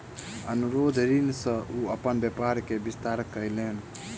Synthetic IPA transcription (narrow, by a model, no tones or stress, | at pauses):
ənuɾod̪ʱɾinsə̃ʔuəpənbjepaɾkebist̪aɾkːəjlen